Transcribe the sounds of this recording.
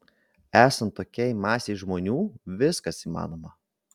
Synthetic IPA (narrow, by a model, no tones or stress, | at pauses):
æːsɐnt̪ːoːkʲɛɪmɑːsʲɛɪʒmoːnʲuːʋʲɪskɐsiːmɑ̰ːnoːmɐ